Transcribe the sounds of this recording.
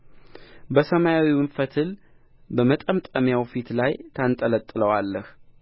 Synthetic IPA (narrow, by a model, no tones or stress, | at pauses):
bəsəmajawimɨɱfət̪ʰɨl | bəmət̪ʼəmt̪ʼəmjawfit̪lajt̪ʰant̪ʼələt̪ʼːɨləwalːəh